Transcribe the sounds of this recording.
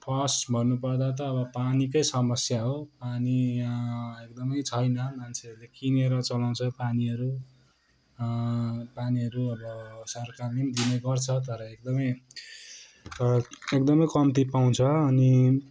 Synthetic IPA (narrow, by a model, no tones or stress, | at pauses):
pʰʌsbʱʌnːupʌrd̪at̪̬ʌːbʌpanikʌjsʌmʌsjaɦopani | ekd̪ʌmʌjt͡sʰʌjnʌmant͡sʰeʌɾlekineɾʌt͡sʌlaw̃t͡sʰʌpaniʌɾu | paniʌɾuʌbʌsʌɾkamimd̪ineɡʌrt͡sʰʌt̪ʌɾʌek̚d̪ʌmʌj | ek̚d̪ʌmʌjkʌmt̪ipaw̃t͡sʰʌːni